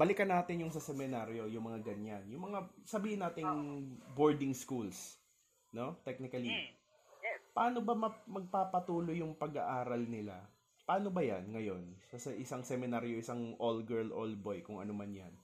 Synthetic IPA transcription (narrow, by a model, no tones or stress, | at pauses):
bɐlɪkɐnaːt̪ɪnjʊŋsɐsɛmɪnaɾjo̞jʊŋmɐŋaɡɐɲanjʊŋmɐŋasɐbiːhɪnːaːt̪ɪŋboɹd̪ɪŋskuls | no̞t̪ɛk̚nɪkɐli | pɐʔaːno̞bɐmɐmɐɡ̚paːpɐt̪uːlo̞jʊŋpɐɡa̰ʔaːɾɐlnɪla̰ | pɐʔaːno̞bɐja̰nŋɐjo̞nsɐsɐʔɪsaŋsɛmɪnaːɾjoʔɪsaŋʔolɡɛɹlʔolbojkʊŋʔɐ̰nomanjɐ̰n